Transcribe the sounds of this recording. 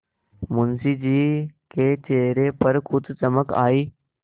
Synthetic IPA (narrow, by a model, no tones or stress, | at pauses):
mʊnsiːd͡ʒiːket͡ʃeːɾepəɾkʰʊd̪t͡ʃəməka̰ːiː